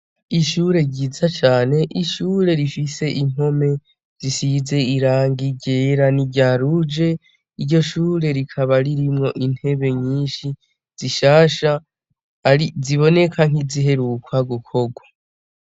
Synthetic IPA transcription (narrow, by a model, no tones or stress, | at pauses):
iʃuɾe̞ɟiːzat͡ʃaːne̞ʔiʃuːɾe̞ɾifise̞ʔiŋ̥o̞me̞ | z̥isize̞iɾaːŋɡiɟe̞ːɾaniɟaːɾud͡ʒe̞ | iɾɟo̞ʃuːɾe̞ɾikʰaβaɾiɾimŋo̞ʔin̥he̞βe̞ɲiːnʃi | z̥iʃaːʃa | iziβo̞ne̞kʰaŋ̥iziɦe̞ɾuːkʰwaɡukʰo̞ɡwa